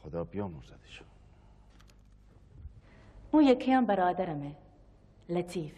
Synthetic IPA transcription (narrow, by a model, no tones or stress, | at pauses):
xod̪ɑːbijɑːmuɾzɐd̪i̥ʃu̥ | ũːjekʰɐjɑ̃ːnbɐɾɑːd̪ɐɾɐme | lɐt͡sʰiːf